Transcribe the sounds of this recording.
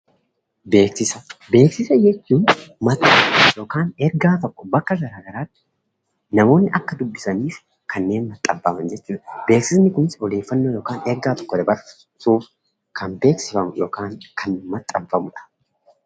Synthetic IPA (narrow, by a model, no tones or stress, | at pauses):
be̞ːksɪsɐbe̞ːksɪsɐjɛt͡ʃːuːnmɐt̪ʼːɐmfjo̞ːkaːnɛɾɡaːt̪ɔkːɔ̥bɐkːɐɡɐɾaːɡɐɾaːt̪ːɪ̥ | nɐmo̞ːnːɪʔɐkːɐd̪ʊbːɪsɐniːf | kɐnːe̞ːnmɐt̪ʼːɐmfɐmɐnd͡ʒɛt͡ʃːuːᶑ̪ɐbe̞ːksɪsnɪkʊmɪsɔle̞ːfːɐnːoːjo̞ːkaːnɛɾɡaːt̪ɔ̥kːɔd̪ɐbɐɾ | suːf | kʰɐnbe̞ːksɪfɐmjo̞ːkaːŋkʰɐnmɐt̪ʼːɐmfɐmʊᶑɐ̥